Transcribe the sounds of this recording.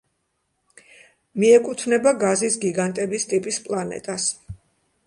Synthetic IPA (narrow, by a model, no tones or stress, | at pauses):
miɛkʼut̪ʰvnɛbaɡazisɡiɡant̪ʼɛbist̪ʼipʼispʼlˠanɛ̰t̪ʼas